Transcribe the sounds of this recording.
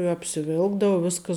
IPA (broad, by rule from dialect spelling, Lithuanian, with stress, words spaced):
ɪ ɐpʲsʲɪˈʋʲɪlˠɡdɐʋɐ ˈʋʲɪskɐs